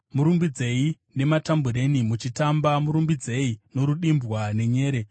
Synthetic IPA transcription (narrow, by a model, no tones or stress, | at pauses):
muɾumbid͡ze̞i | ne̞matambuɾe̞nimut͡ʃitambamuɾumbid͡ze̞ino̞ɾuɗimbwane̞ɲe̞ːɾe̞